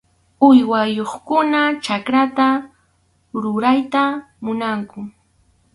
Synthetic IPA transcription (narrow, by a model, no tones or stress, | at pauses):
ʊjwajoχkʊnat͡ʃakɾat̪a | ɾʊɾajt̪a | mʊnaŋkʊ